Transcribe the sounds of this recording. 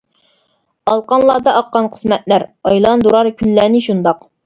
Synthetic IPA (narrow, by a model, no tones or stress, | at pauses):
ɑlˠqɑnlˠɑɾd̪ɑʔɑqːɑnqʰə̥smɛt̪̚læɾɑjlˠɑnd̪uɾɑɾkʲʰylːæːnɪʃund̪ɑq